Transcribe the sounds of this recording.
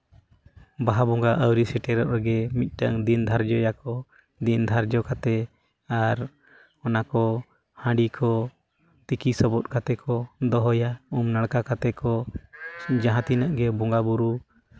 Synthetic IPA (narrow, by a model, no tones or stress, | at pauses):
baɦabɔŋɡaʔəwɾisɛʈɛɾɔʔɾɛɡɛmit̪̚ˀʈəŋd̪ind̪ʱaɾd͡ʒɔjakɔ | d̪ind̪ʱaɾd͡ʒɔkat̪ɛ | aɾ | ɔnakɔ | hãɖikʰɔ | t̪ikisɔbɔt̪̚kat̪ɛkʰɔd̪ɔɦɔjaumnaɽkakat̪ɛkɔ | d͡ʒaɦãt̪inaʔɡɛbɔŋɡabuɾu